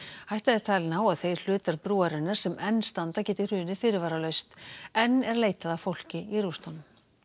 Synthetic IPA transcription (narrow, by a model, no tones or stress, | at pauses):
hajht̪aðɛɾ̥t̪ʰajlnaːwaðθej̥l̥ʏːt̪aɾpɾuːaɾɛnːaɾ̥sɛmɛnːst̪ant̪acɛːt̪ɪ̥r̥ʏːnɪfɪːɾɪɾvaːɾalœɥst̪ɛnːɛɾleːjt̪aðafowl̥cɪiɾust̪anm